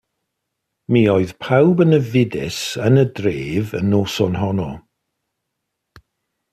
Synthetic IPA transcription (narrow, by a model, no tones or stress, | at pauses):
miːoɨð̥pʰawbənəvɪdɪ̰sənədreːvə̰nːoːsɔnɦɔnɔ